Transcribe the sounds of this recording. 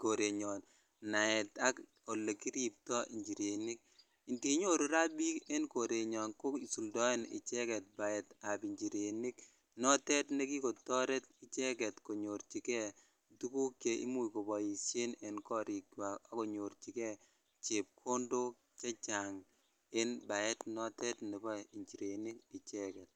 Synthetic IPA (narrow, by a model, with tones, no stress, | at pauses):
ko˨ɾe˨ɲɔ˨n | na˨ɛ˨ta˦k | o˨lːe˨ki˦ɾi˨p̚tɔ˦ʔi˨ɲd͡ʒi˨ɾe˨ni˦k̚ | i˨nte˨˦ɲo˦ɾo˨ɾa˦bi˦kɛ˦nko˨ɾe˨ɲɔ˨nko˦i˨su˨ldɔ˦ɛ˦nɪ̰˨t͡ʃɛ˦kɛ˨t̚ba˨ɛ˨ta˨bi˨ɲd͡ʒi˨ɾe˨ni˦k | nɔ˦tɛ˦tne˦ki˦ko˨tɔ˦ɾɛ˦t̚ɪ˨t͡ʃɛ˦kɛ˨tko˨ɲo˨ɾt͡ʃi˨kɛ˦ | tu˦ku˦kje˨ʔḭ˦mu˦jko˨bɔ˨i˨se˦ne˨nkɔ˦ɾi˨ka˨a˦ko˨ɲo˨ɾt͡ʃi˨kɛ˦ | t͡ʃe˨p̚kʰo˦ndo˦ | t͡ʃa˦t͡ʃa˨ŋ | e˦nba˨ɛ˦tnɔ˦tɛ˦tne˨bɔ˦i˨ɲt͡ʃi˨ɾe˨ni˦kɪ˨t͡ʃɛ˦kɛ˨t̚